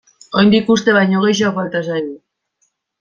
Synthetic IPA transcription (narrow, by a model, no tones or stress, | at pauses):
o̞jnd̪ikust̪e̞βajɲo̞ɣ̞e̞jʃ̬aofalt̪asajn